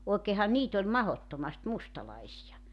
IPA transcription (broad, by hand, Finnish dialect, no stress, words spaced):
oˑekeːhɑn niːt olʲ mɑhotːomɑst mustɑlɑisijɑ